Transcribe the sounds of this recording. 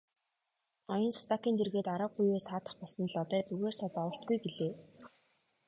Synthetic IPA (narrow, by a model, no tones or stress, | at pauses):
nɔjɞ̆nsḁsakiːnt̪ʰerɣeːt̪aɾə̆q̚ɢujeːsaːt̪ə̆χpɔɮsɞ̆nɮɔt̪æːt͡suɣeːr̥t̪ʰaːt͡sawə̆ɬt̪̚ɡujɡeɮeː